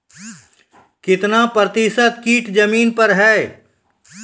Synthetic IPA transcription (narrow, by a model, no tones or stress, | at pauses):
kɪt̪napɾət̪ɪsət̪̚kiːʈd͡ʒəmiːnpɐɾɦɛː